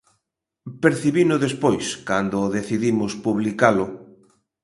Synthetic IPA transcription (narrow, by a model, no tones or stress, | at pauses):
peɾθiβinʊðespojskand̪ʊːðeθiðimʊspuβlikalʊ